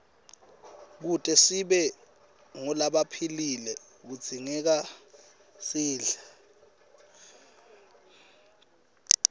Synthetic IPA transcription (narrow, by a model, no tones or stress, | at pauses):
k̬utʼɛsiɓɛ | ŋɔlaɓapʰililɛ | k̬ud̥d͡z̥ʱiŋɛk̬a | siːɮa